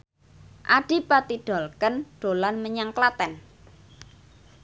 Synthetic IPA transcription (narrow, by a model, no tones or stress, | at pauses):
ʔaɖ̥i̤pat̪iɖ̥ɔ̤lkənɖ̥o̤lanməɲaŋklat̪ɛn